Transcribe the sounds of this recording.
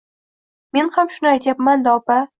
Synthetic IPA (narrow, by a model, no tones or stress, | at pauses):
me̞nhamʃʊnɪajt̪japmand̪aɒpa